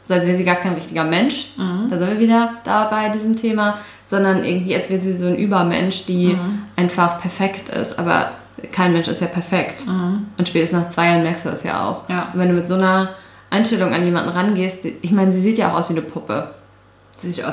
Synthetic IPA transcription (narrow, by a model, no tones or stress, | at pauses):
z̥oːalsvɛːʁziːɡaːɐkʰaɪnʁɪçtɪɡɐmɛnʃd̥aːzɪntviːɐviːdɐd̥aːbaɪdiːzəmtʰeːma | z̥ɔndɐnʔɪ̰ɐɡŋ̩tv̥iːalsvɛːʁəziːzoːnʔyːbɐmɛ̰nʃd̥iːʔaɪnfaχpʰɛɐfɛktɪ̰stʔa̰ːbɐ̰ | kʰaɪnmɛnʃɪ̰stjaːpʰɛɐfɛktʔʊntʃpɛːtəsnaːχt͡sv̥aɪjaːnmɛɐkstd̥ṵːdɛ̰sja̰ːʔa̰ʊxntv̥ɛnduːmɪtz̥oːnɐ | ʔaɪnʃtɛlʊŋa̰njeːma̰ndn̩ʁanɡeːst̚ʔɪçmaɪnəziːziːtjaːʔaʊxʔaʊsviːnəpʰʊpʰə